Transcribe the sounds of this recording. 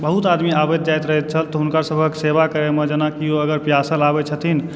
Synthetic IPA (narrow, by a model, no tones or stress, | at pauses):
bəɦut̪ad̪miabet̪̚d͡ʒajt̪ɾəɦɛt̪̚t͡ʃʰəlt̪ɔɦunkaɾsəbʱəksebakəɾemed͡ʒənakioəɡəɾpjasəlabɛt͡ʃʰət̪ʰin